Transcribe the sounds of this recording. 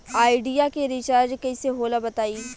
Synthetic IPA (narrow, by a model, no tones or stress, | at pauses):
aːɪɖijakeɾɪt͡ʃaːɾd͡ʒkɐiseɦoːlabɐt̪aːiː